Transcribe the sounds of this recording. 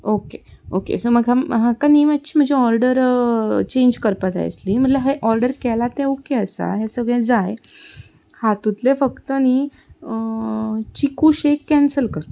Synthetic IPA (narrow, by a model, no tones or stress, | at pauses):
okeokḛsəməɡɦãɦãkaniʋatːt͡ɕiːm̤ənd͡zeɔɾɖəɾt͡ɕẽɲd͡ʑkəɾpad͡za̰j̰slim̤əʈlaɦeʔɔɾɖəɾkɛlat̪ɛ̃okeəsa̰ɦesəɡɭẽd͡zaj | hat̪ut̪lefəkt̪əni | t͡ɕikuːɕekːɛ̃nsəlkəɾ